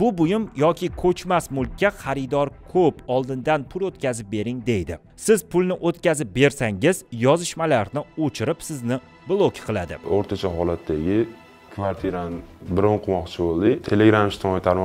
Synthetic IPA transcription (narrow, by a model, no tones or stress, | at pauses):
bʊbʊjɪmjɒkʲʰɪkʰɵt͡ʃmasmʊlˠkʲːaχaɾɪd̪ɒɾkʰɵpɒlˠd̪ɪnd̪anpʰʊlot̪kʲazɪp̚be̞ɾɪŋd̪e̞jd̪ɪ̰ | sɪzpʰʊlˠnɪʔot̪kʲazɪp̚be̞ɾsaŋɪz̥jɒzɪʃmalaɾnɪot͡ʃʰɪɾɪpsɪznɪ | blˠokʲqʰɨlˠad̪ɪ̰oɾt̪ʰat͡ʃʰaɦɒlat̪ʰːaɡʲɪ | kʰvaɾt̪ʰiɾanbɪɾɒɴqʰɨmɒqt͡ʃʰɪbolˠd̪ɪt̪ʰeleɡɾamɪʃt̪ʰɪmɒjt̪ʰaɾmɒ